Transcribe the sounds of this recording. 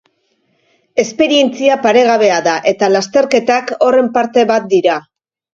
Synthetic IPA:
e̞spe̞ɾie̞nt͡siapaɾe̞ɣ̞aβ̞e̞aðaʔe̞t̪alast̪e̞ɾke̞t̪ako̞re̞mpaɾt̪e̞βat̪̚d̪iɾa

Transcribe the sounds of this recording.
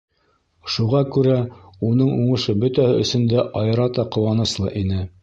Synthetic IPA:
ʃuʁɑkʉɾæunɤɴuɴɤ̆ʃɤbɵt̪æhɘʔɵ̰̆sɵ̆nd̪æʔɑjɤ̆ɾɑt̪ɑqŏwɑnɤ̆slˠɤ̰ʔinɘ

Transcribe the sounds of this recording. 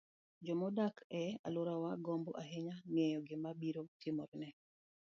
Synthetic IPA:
d͡ʒɔmɔdakʰɛa̰loɾawaɡɔmbɔʔaɦeɲaŋɛjɔɡɪmabiɾotʰɪmɔɾnɛ

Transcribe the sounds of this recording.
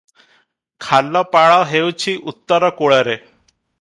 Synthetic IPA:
kʰalːɔpaɭawɦewt͡ɕʰiʔut̪ːɔɾɔkoɭəɾe

